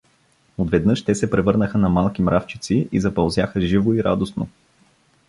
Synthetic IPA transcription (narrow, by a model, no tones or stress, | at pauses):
od̪vɛd̪nɤʃt̪ɛsɛpɾɛvɤɾnəxənɐmalˠkimɾʔaft͡ʃi̥t̪siizɐpɐlˠzjaxəʒivoiɾa̰d̪osno̰